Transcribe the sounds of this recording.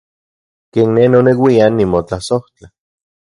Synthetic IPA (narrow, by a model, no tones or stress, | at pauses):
keːnːenonewianːimot͡ɬasoht͡ɬa